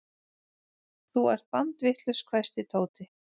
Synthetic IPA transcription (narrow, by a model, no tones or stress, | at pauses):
θuaɾ̥t̪̚pant̪vɪht̪lʏskʰvajst̪ɪt̪ʰoːwt̪ɪ